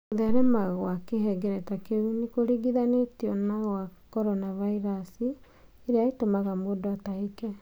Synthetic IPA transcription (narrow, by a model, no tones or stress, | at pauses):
oðɛɾɛmaɣwakeɦɛɡɛɾɛtakeunikoɾiɡiðanetjɔnaɣwakɔɾɔnavaiɾasi | eɾeaitomaɣamodɔataikɛ